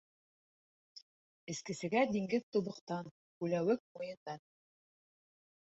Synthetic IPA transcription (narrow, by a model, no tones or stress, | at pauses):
ɘ̆skɘ̆sɘ̆ɡæd̪iŋɡɘðt̪uβɤ̆qt̪ɑn | kʉlæwɘk̚mujɤ̆nd̪ɑn